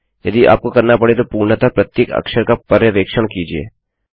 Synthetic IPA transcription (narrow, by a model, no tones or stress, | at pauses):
jɐd̪iʔa̰ːp̚kokɐɾnapɐɽet̪opuːɾɳət̪apɾɐt̪jeːkɐ̰kʃəɾkapɐɾjəʋeːkʃəɽ̃kiːd͡ʒiḛː